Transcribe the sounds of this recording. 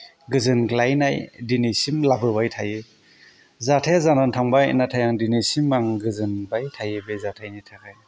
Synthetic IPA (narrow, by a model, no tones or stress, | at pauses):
ɡɯzɯnɡlajnajdinisimlabɯbajtʰajɯ | zatʰajzanantʰaŋbajnatʰajaŋdinisimːaŋɡɯzɯnbajtʰajɯbezatʰajnitʰakʰɯj